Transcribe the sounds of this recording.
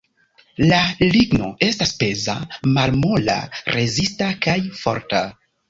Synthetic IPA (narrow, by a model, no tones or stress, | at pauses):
laliɡno̞̰e̞stasbe̞za̰malmola̰ɾe̞zistakajfo̞̰ɾta